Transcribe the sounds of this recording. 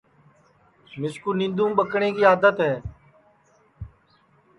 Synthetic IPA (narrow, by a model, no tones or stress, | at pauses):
mɪskuːnɪ̃nd̪ũːɓəkɳeːkiːaːd̪ət̪ɦɛː